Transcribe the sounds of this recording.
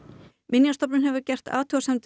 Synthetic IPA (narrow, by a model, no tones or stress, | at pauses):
mɪnjast̪ɔpnɪnɦɛvʏɾcɛr̥t̪a̰ːt̪ʰuasɛmt̪